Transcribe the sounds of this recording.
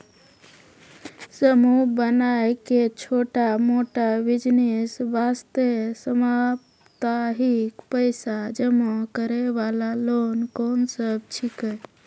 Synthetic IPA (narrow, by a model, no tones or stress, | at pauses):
səmubənajket͡ʃʰoʈamoʈabid͡ʒnesbast̪esəmap | t̪aɦikpəɪsad͡ʒəməkəɾebalalonkɔnsəbt͡ʃʰikə